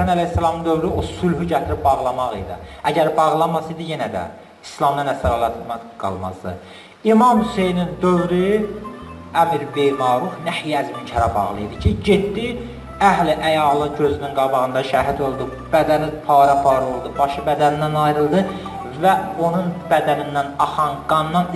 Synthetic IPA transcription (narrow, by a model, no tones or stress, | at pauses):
ænælæhsːælˠɑmɯnd̪ø̞vɾyo̞sylɦyɟæt̪ʰɾib̚bɑʁlˠɑmɑʁḭjd̪ḭæɟæɾbɑʁlˠɑnmɑsɯd̪ije̞næd̪æ̰ | islˠɑmd̪ɑnæsæɾɑlˠɑt̪mɑɡ̥ɑ̰lˠmɑ̰zd̪ɯ̰ | imɑmhyse̞jnind̪øvɾy | æmiɾbejmɑːɾufnæhijæzmincʰæɾæbɑ̰ʁlˠɯid̪icʰiɟet̪ːi | æɦliʔæjɑlˠɯɟø̞zynynɡɑbɑʁɯnd̪ɑʃæɦid̪o̞lˠd̪u | b̥æd̪ænipʰɑːɾɑpʰɑːɾo̞lˠd̪ubɑʃɯbæd̪ænind̪ænɑjɾɯlˠd̪ɯ | væo̞nunbæd̪æninːænɑχɑnɡɑnːɑn